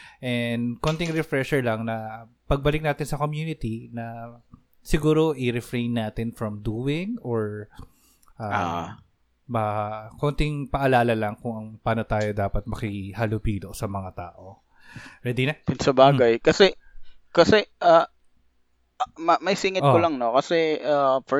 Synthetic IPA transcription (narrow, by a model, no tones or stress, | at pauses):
ʔɛnd̪kont̪ɪŋɾɛfɾɛʃɛɹlɐŋnɐ | pɐɡ̚bɐlɪk̚naːt̪ɪnsɐkomjuːnɪt̪inɐ | sɪɡuːɾo̞ʔɪɾɛfɹejnːaːt̪ɪnfɹɐmd̪uːwɪŋoɹ | ʔa | bɐkont̪ɪŋpɐʔɐlaːlɐlɐŋkʊŋɐŋpaːnot̪aːjo̞d̪aːpɐt̪̚mɐkɪhɐlʊpiːd̪osɐmɐŋat̪a̰ːʔo | ɾɛd̪inɐpʊnsɐbaːɡɐjkɐsɛkɐsɛʔɐ | mɐmɐjsiŋɐt̪̚kolɐŋnokɐsɛʔaf